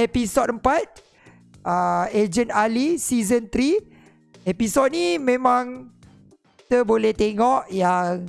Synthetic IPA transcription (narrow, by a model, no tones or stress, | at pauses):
episot̪̚əmpat̪̚ | əed͡ʒənalisizənt̪ɾi | episot̪̚nimẽmãŋ | ki̥t̪əbolɛht̪eŋɔʔjaŋ